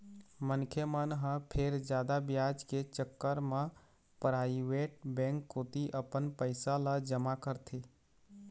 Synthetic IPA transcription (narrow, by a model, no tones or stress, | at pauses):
mənkʰjemənɦə̃pʰeɾd͡ʒaːd̪abjad͡ʒket͡ʃəkːəɾmẽ | pəɾaiweʈ̚bɛ̃ŋkːot̪iʔəpənpəɪsalad͡ʒəmakəɾt̪ʰe